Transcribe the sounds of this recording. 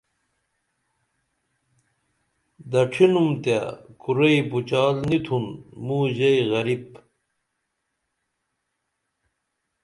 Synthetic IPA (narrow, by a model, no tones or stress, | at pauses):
d̪ɐʈ͡ʂʰinumt̪jakuɾɐibut͡ɕaːlnit̪ʰunmuːʑɐjɣɐɾip